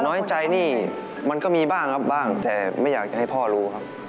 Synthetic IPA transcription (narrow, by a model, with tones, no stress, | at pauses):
nɔː˦˥jt͡ɕa˧jniː˥˩ | ma˧nkɔː˥˩miː˧baː˥˩ŋkʰa˦˥p̚baː˥˩ŋt̪ɛː˨˩ma˥˩jaː˨˩k̚t͡ɕa˨˩ha˥˩jpʰɔː˥˩ɾuː˦˥kʰa˦˥p̚